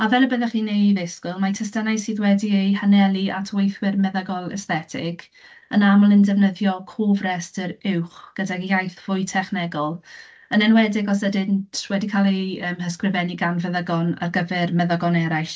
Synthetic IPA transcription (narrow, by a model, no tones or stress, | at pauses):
avɛləbəðɛχiːnejðɪskʊlˠmatʰɛstanajsiːðwɛdiejhanɛlˠia̰tʰwejθwɪrmɛðaɡɔlˠɛ̰sθɛtʰɪɡ̥ | ənamɔlˠɪndɛvnəðjɔkʰoːvrɛstəɾɪwχɡ̥ədaɡjajθv̥ʊɨtʰɛχnɛɡɔlˠ | ənɛnwɛdɪɡɔs̬ədɪntʰwɛdikʰalˠeəːmhəskrɪvɛniɡanvɛðəɡɔna̰rɡəvɛrmɛðəɡɔnɛɾajɬ